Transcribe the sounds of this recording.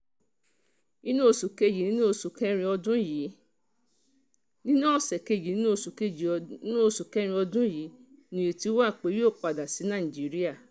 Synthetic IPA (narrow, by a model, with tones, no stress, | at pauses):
ĩ˦nũ˦o˦˨su˨ke˦ji˨nĩ˦no˦˨su˨kɛ˧˦ɾ̃ĩ˧ɔ˧dũ˦ji˨˦ | nĩ˦nã˦˨sɛ˨ke˧˨ji˨˦nĩ˦no˦˨su˨ke˧i˨˦nũ˦˨su˨kɛ˦ɾ̃ĩ˧ɔ˧dũ˦ji˨˦nũ˨e˨ti˨˧˦wa˦˨k͡pe˨˦o˦˨k͡pa˨da˨si˨˦nã˦˨ĩ˨d͡ʒi˨˦ɾi˦a˦˨